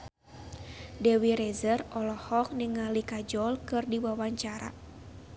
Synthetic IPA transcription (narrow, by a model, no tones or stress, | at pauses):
dɛwiɾɛzərɔlɔhɔk̚niŋalikad͡ʒɔlkɨrdiwawaɲt͡ʃaɾa̰